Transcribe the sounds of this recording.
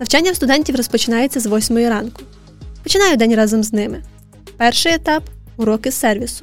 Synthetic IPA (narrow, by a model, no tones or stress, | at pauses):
nɐwt͡ʃɑnʲːɐwst̪ʊd̪ɛnʲtʲiwrɔspɔt͡ʃɪnɑjet͡sʲːɐzʋɔsʲmɔjiɾɑnkʊ | pɔt͡ʃɪnɑjʊd̪ɛnʲrɑzɔmznɪmɪ | pɛrʃɪjɛt̪ɑpʊɾɔkɪsɛrʋʲisʊ̥